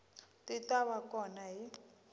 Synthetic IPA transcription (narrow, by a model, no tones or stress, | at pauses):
titʼaβakʼɔnaɦi